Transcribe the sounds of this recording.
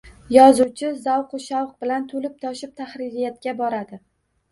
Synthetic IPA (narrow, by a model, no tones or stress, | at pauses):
jɒzuwt͡ʃʰɪzawqʊʃawq̚bɪlant̪ʰolɪp̚t̪ʰɒʃɪp̚t̪ʰaχɾɪɾijat̪̚kʲabɒɾad̪ɪ